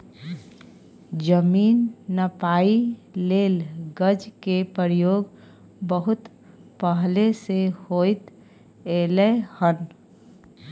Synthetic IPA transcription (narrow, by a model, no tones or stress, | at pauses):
d͡ʒəmiːnːəpaːileːlɡəd͡ʒkepəɾjoːɡ | bəɦʊt̪ | pəɦlesehoːjt̪ | elehən